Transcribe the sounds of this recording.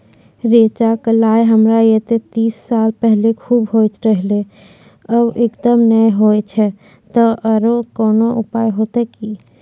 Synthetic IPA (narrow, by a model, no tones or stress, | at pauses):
ɾeːt͡ʃaklaːjɦəmɾajet̪et̪iːsːaːlpɛɦlekʰuːbɦoːt͡ʃɾəɦle | əbekd̪əmnəeɦoːet͡ʃʰɛ | t̪ɔʔəɾokɔːnoʔʊpaːjɦoːt̪eki